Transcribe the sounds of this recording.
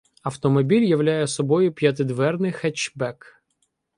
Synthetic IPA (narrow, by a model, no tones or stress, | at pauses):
ɐwt̪ɔmɔbʲilʲjɐʋlʲajɛsɔbɔjʊpʲjɐt̪̬ɪd̪ʋɛrnɪxɛt͡ʃbɛk